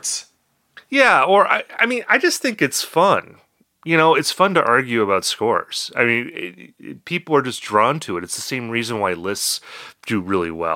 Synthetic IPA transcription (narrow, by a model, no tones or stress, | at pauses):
ts | jæə˞ʔa̰ɪa̰ɪmĩnaɪd͡ʒʌsθɪ̃ŋkɨtsfʌ̃n | jɨñoʊɨtsfʌ̃ntɨ̰ʔɑɹɡjʉəβaʊtskɔɹz̥aɪmĩnɪ̰pʰipl̩ˠə˞d͡ʒʌsdɹɔ̃ntʰɨɨɾɨtsðəsẽɪ̃mɹizɨ̃nwaɪlɪstsd̥ɨɹɪlˠḭwɛ̰